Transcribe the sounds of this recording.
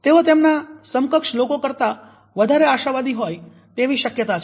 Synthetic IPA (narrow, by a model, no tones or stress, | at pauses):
t̪eot̪emnasəmkəkʃlokokəɾt̪a | ʋəd̪ʱaɾeaʃaʋad̪iɦoj | t̪eʋiʃəkjət̪at͡ʃʰ